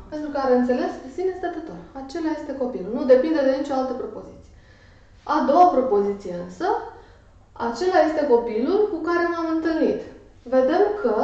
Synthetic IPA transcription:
pe̞nt̪ɾukəaɾeɨnt̪se̞le̞spesinejest̪at̪ət̪orat͡ʃe̞laje̞st̪e̞ko̞pilulnud̪e̞pind̪e̞d̪e̞nit͡ʃoalt̪əpɾo̞po̞zit̪si̥je | ad̪o̞wapɾo̞po̞zit̪sije̞ɨnsə | a̰t͡ʃe̞laje̞st̪e̞ko̞pilulkukaɾe̞mamɨnt̪ɨlnit̪ | ve̞d̪e̞mkʰə

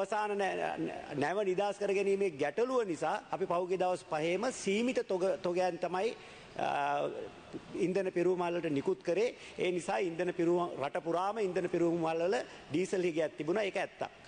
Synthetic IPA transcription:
əsaːnən | næʋənid̪aːskəɾəɡæniːmeɡæʈəluʋənisaːpipawɡied̪aʋɐspaɦeːməsiːmit̪ət̪oɡət̪oɡejant̪amaj | ind̪ənəpiɾuʋmɐɦlʋələʈənikut̪kəɾeː | eːnisaːind̪ənəpiɾuraʈəpuɾaːməind̪ənəpiɾuʋmmɐɦalʋələ | ɖiːsəlɦiɡejat̪ːibunaekəæt̪ːa̰k̚

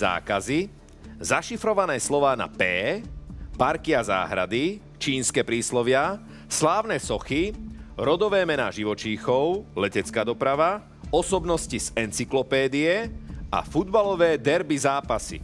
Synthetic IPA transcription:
a̰ːkazi | zaʃifɾɔʋanɛːslɔʋaːna̰pɛː | paɾkiaza̰ːɦɾa̰d̪i | t͡ʃiːnskɛːpɾiːslɔʋɪa | slaːʊnɛːsɔxiɾɔd̪ɔʋɛːmɛna̰ːʒiʋɔt͡ʃiːxɔʊlɛcɛt͡skaːd̪ɔpɾaʋa | ɔsɔbnɔscizɛnt͡siklɔpɛːd̪iɛʔa̰fud̪balɔʋɛːd̪ɛɾbizaːpasḭ

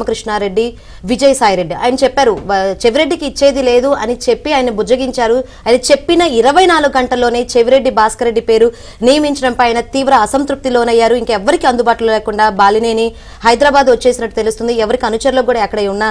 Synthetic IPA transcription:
mɐkɾiʂɳaːɾe̞ɖːi | ʋid͡ʒɐjsaːjɾe̞ɖːia̰ːjɐnɐt͡ʃɛpːaːɾut͡ʃe̞ʋiɾe̞ɖːikiːt͡ʃːe̞ːd̪ile̞ːd̪uɐnit͡ʃe̞pːiaːjɐnibud͡ʒɐɡiɲt͡ʃaːɾu | ɐːjɐnɐt͡ʃe̞pːinɐiɾɐʋɐjnaːluɡːɡɐɳʈɐlːo̞ːne̞ːt͡ʃeʋiɾe̞ɖːibaːskɐɾeɖːipe̞ːɾu | nijɐmiɲt͡ʃɐɽɐmpɐjɐːjɐnɐt̪iːʋɾɐːsɐnt̪ɾup̚t̪iloːnɐjːaːɾuiŋkɐɛʋːɐɾikiɐnd̪ubaːʈulolɛːkuɳɖaːbaːlineːni | hɐjd̪ɾaːbaːd̪ot͡ʃːe̞ːsinɐʈːu̥t̪elust̪und̪iɛʋɐɾikiɐnut͡ʃɐɾɐlokuːɽaːɐkːɐɽɐjunːaː

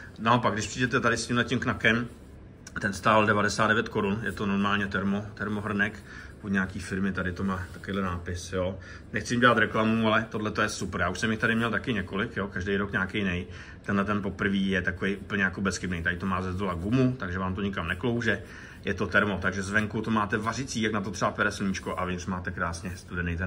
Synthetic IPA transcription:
naopaɡdɪʃpr̥iːdɛt̪ɛt̪adɪscɪmɦlɛcɪmknakɛm | t̪ɛnst̪aːaldɛvadɛsaːd̪dɛvjɛt̪ko̞ɾunjɛt̪o̞no̞ɾmaːlɲɛt̪ɛɾmot̪ɛɾmoɦr̩nɛk | poɲɛakiːfɪɾmɪt̪adɪt̪omaːt̪akovejdlɛnaːpɪsjoː | nɛxt͡sɪjɪmɟɛlat̪ɾɛklamualɛt̪o̞dlɛt̪ojɛsuprjaːuʃsɛmjɪxt̪adɪmɲɛlt̪akɪɲɛko̞lɪkjokaʒdejɾokɲaːkejnɛj | t̪ɛnlɛt̪ɛnpo̞pr̩viːjɛt̪akovejʔuːpl̩ɲɛjakobɛsxɪbnɛjt̪adɪt̪omaːzɛzd̪olaɡumut̪aɡʒɛvaːmt̪o̞ɲɪkamnɛklowʒɛ | jɛt̪o̞t̪ɛɾmo̞t̪aɡʒɛzvɛŋkut̪omaːt̪ɛvarɪt͡siːjaknat̪ot̪r̥ɛbapɛɾɛsl̩ɲit͡ʃkoʔa̰vɲɪsmaːt̪ɛkɾaːsɲɛst̪udɛnejt̪ɛ

